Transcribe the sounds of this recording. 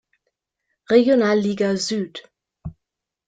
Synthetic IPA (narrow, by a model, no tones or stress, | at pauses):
ʁeɡjonaːlːiːɡazyːt